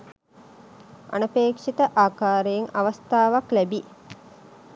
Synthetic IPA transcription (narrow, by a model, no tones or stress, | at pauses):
ʔɐ̰nəpeːkʂit̪əʔaːkaːɾejeŋɐʋɐst̪aːʋaklæbi